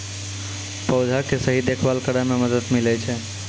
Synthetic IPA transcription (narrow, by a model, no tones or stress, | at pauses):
pəʊd͡ʒʱakesəɦid̪ekʰʋalkəɾameməd̪əd̪milɛt͡ʃʰɛ